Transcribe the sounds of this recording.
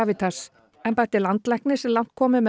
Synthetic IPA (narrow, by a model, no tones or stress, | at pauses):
avɪt̪ʰas | ɛmpajɾt̪ɪlant̪lɛhknɪsɛmlan̥t̪̚kʰɔːmɪmɛ